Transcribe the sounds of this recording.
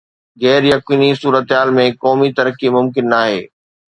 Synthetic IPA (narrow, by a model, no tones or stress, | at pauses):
ɣɛːɾjɐkiːnisuːɾət̪ɦaːlmẽkɔːmit̪ɐɾəkimʊmkɪnːaːɦeː